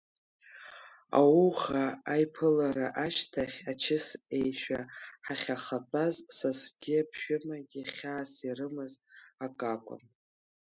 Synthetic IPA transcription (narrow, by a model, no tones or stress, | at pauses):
a̰wuχaːjpʰɨlaɾaʔaʃtʰaχʲat͡ʃʰɪse̞jʃᶣaħaχʲaχabʼazsasɡʲɪapʰʃᶣʊmaɡʲiχʲaːsirɨmɨzakʼakʷʼa̰m